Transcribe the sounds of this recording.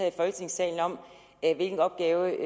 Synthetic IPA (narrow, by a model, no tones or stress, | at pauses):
æðˠifɒ̽lɡ̥ət͡sʰe̝ŋsɛ̰ɪln̩ɒ̽m̰ | ʋe̝lɡ̥n̩ɒ̽b̥ɡ̥ɛːʊ